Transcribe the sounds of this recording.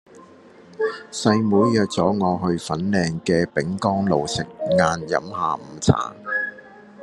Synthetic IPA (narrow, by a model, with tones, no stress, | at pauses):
sɐ˧jmuː˨˧jjœː˨k̚t͡sɔː˨˥ŋɔː˨˧ɦɵ˧ɥfɐ˨˥nlɛː˧ŋkɛː˧pɪ˨˥ŋkɔː˥ŋlo˨wsɪ˨k̚ŋaː˧njɐ̰˨˥mhaː˨˧m̩ː˨˩t͡sʰa̰ː˨˩ŋ